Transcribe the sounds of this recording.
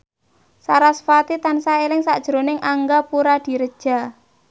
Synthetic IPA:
saɾasfat̪it̪ansaelɪŋsa̰ʔd̥ʒ̥əɾonɪŋʔaŋɡapuɾad̪̥i̤ɾəd̥ʒ̥a̤

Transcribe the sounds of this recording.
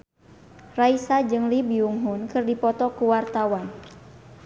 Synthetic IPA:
raisad͡ʒɨŋlibiuŋɦunkɨrdipɔt̪ɔkuwart̪awan

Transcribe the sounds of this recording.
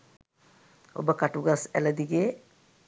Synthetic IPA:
o̰bəkaʈuɡasæ̰ləd̪iɡe

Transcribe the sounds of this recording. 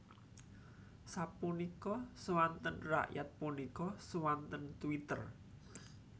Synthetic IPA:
sapunikɔsəwant̪ənra̰ʔjat̪̚punikɔsəwant̪ənt̪uwit̪ər

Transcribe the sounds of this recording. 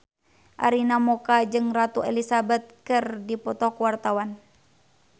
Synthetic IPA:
ʔa̰ɾinamɔkad͡ʒɨŋrat̪uɛlisabɛt̪̚kɨrdipɔt̪ɔkwart̪awan

